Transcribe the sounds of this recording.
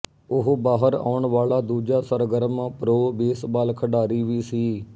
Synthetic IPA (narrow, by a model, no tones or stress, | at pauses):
ʊɦbaːɦəɾa̰ːʊɳʋaːlaːd̪uːd͡ʒaːsəɾɡəɾmaːpɾoːbeːsbaːlkʰəɖaːɾiːʋiːsiː